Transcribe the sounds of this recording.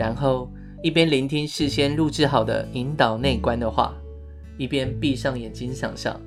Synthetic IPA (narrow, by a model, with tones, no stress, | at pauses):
a˧˦nxo˥˨ʊ | i˥˩pjɛ˦nli˧˦˥nt̪ʰi˥ŋʂɻ̩˥˨ɕjɛ˥˦nɻu˥˧ʈ͡ʂɻ̩˥˩xɑ˨˩ʊd̪ə̰˦i˧˦nt̪ɑ˨˩ʊne˥˩ɪkwa˦nd̪ə˨xwa̰˥˧ | i˥˩pjɛ˦˥npi˥˧ʂɑ˥˩ŋjɛ˨˩nt͡ɕi˦˥ŋɕjɑ̰˨˩ŋʂjɑ̰˥˩ŋ